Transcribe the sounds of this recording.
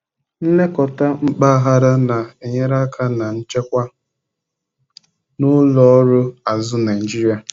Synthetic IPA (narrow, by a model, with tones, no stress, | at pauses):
n̩˦le˦kɔ˨ta˦ŋ͡m̩˦k͡pa˦a˦ɦa˦ɾa˦na˨e˨ɲe˦ɾa˦kʰa˦na˨n̩˦t͡ʃe˦kʷa˦ | nʊ˦lɔ˦ɔ˦ɾʊ˦a˨zʊ˦na˨d͡ʒi˦ɾi˦a˨